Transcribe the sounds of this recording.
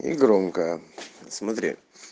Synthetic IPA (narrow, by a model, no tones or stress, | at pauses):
ḭɡɾomkəjəsmɐt̪ɾʲḛ